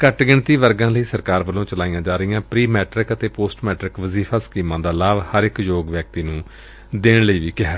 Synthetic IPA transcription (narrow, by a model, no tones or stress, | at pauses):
kəʈɡɪɳt̪iːʋəɾɡãːləiːsəɾkaːɾʋəlõːt͡ʃəlaːijãːd͡ʒaːɾəɪjãːpɾiːmɛːʈɾɪkət̪eːpoːsʈmɛːʈɾɪkʋəziːfʰaːsə̥kiːmãːd̪aːlaːʋhəɾɪkjoːɡʋjək̚t̪iːnũː | d̪eːɳləiːʋiːkɪɦaː